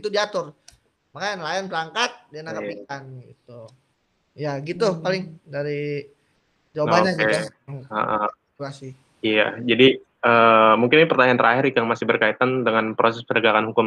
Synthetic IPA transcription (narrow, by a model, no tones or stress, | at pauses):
it̪udiat̪ʊr | makajanlajanbəɾaŋkat̪̚dianakapikanɡit̪u | jaɡit̪upalɪŋdaɾi | d͡ʒawabaɲakeə̰ʔə | uasi | ija̰d͡ʒadi | əːmuŋkɪnpərt̪aɲant̪əɾaɦɪɾikaŋmasɪhbərkait̪andəŋanpɾosɛspənəɡakanɦukʊm